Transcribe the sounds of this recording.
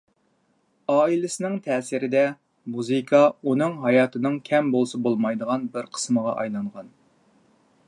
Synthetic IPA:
ɑːilɪsɪnɪŋt̪ʰɛːsɪɾɪd̪ɛ | muzɨkʰɑunɨŋɦɑjɑːt̪ʰɨnɨŋkʲʰɛmbolˠsɑbolˠmɑjd̪əʁɑnbɪɾqʰə̥sməʁɑʔɑ̰jlˠɑɴʁɑn

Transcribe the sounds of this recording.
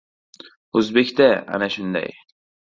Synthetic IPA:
ozbekʲt̪aa̰naʃʊnd̪a̰j

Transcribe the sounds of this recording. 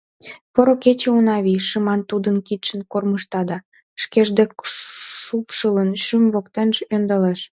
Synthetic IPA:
poɾoket͡ɕeunɑβiʃəmɑnt̪ud̪ənkit̪ʃənkorməʃt̪ɑd̪ɑ | ʃkeʒd̪ekʃupʃələnʃymvokt̪enʒønd̪əleʃ

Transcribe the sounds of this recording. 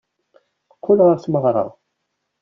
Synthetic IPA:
kʷʰːʊlʁəɾθməʁɾˤɑ̰ʁ

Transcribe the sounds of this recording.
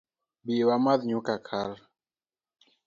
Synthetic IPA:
biwamaðɲukakʰaɾ

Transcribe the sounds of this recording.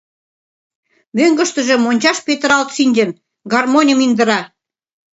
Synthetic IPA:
møŋɡə̆ʃt̪ə̆ʒĕmonʲt͡ɕɑʃpet̪əɾɑlt̪ʃinʲd̪ĕn | ɡɑrmonʲə̆mind̪ə̆ɾɑ

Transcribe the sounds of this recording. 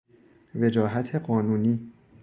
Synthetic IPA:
ve̞d͡ʒɒːɦæt̪ʰeɢɒːnuːniː

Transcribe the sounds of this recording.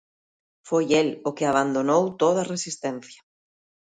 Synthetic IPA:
fojelʊkɪaβ̞and̪onowt̪oð̞ɐresist̪ɛnθjɐ

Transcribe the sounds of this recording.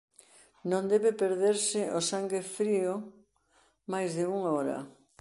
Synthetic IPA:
nõnd̪eβepeɾðeɾsɪʔosaŋɡefɾio | majzðɪuŋaɔɾɐ̰

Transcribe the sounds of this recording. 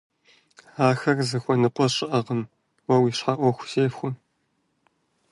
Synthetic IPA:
aːxɐrzɨxʷɔnɨqʷɔɕʼɪʔɐʁəm | wɐwiːɕħaʔʷɔxʷʊ̥seːfxʷʊm

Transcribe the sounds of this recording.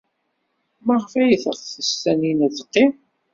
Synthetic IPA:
məʁfæjəθəʁˤθəst̪ːæninæðəqːɪm

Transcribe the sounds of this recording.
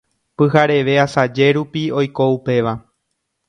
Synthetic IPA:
pɨɦaɾe̞ʋe̞asad͡ʒe̞ɾupio̞jko̞upe̞ʋa

